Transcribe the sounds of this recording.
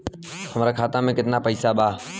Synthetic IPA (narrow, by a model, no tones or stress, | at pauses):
həmɾaːkʰaːt̪ãːmẽːkɪt̪ɪnaːpəiːsaːɓaː